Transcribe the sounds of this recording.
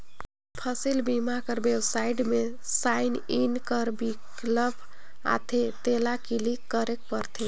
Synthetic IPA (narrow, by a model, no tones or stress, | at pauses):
pʰəsilbimakəɾbebsaiʈme | saininkəɾbikkləbʰʱ | a̰t̪ʰet̪elakilikːəɾek̚pəɾt̪ʰe